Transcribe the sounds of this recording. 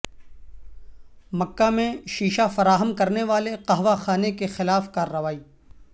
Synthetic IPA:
mɐkːamẽʃiːʃafɐɾaːɦəmkɐɾneʋaːleqɐɦʋaxaːnekexɪlaːfkaːrːɐʋaːiː

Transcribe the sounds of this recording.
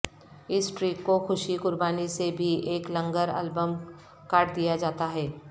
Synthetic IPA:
ɪsʈɾiːkːoxʊʃikʊɾbaːnisebʱieːklɐ̃ŋɡəɾɛ̰ːlbəm | kaːʈd̪ijad͡ʒaːt̪aɦɛː

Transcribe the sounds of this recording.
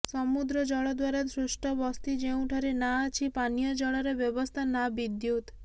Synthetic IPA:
sɔmud̪ɾɔd͡ʒɔɭɔd̪waɾasɾusʈʰɔbɔst̪id͡ʒeũʈʰɔɾenaːt͡ʃʰipanijɔd͡ʒɔɭɔɾebjɔbɔst̪ʰanabid̪jut̪

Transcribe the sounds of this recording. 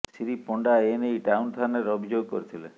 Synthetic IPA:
siɾipɔɳɖaenejʈawnt̪ʰaneɾɔbʱid͡ʒoɡ̚kɔ̰ɾit̪ʰilḛ

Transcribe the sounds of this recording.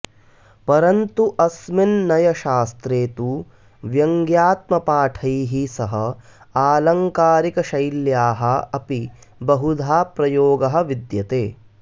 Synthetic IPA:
pɐɾɐnt̪uʔɐsminːɐjɐʃaːst̪ɾeːt̪uː | ʋjɐŋɡjaːt̪mɐpaːʈʰɐjɦisɐɦɐ | aːlɐŋkaːɾikɐʃɐjljaːɦɐɐpi | bɐɦud̪ʱaːpɾɐjoːɡɐɦɐ̆ʋid̪jɐt̪eː

